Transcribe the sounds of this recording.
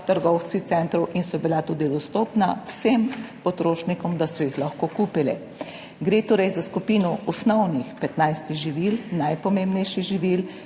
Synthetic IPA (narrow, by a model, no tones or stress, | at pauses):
t̪əɾɡɔwt͡sitsɛnt̪ɾɔwʔinsɔbilat̪uːd̪id̪ɔst̪oːpnawsempɔt̪ɾoːʃnikɔmd̪asɔjixlaxkokuːpilɛ̰ | ɡɾeːt̪oːɾɛjzaskupiːnɔɔsnɔwnixpɛt̪najst̪iʒiʋilnajpɔmeːmbnɛjʃiɣʒiʋil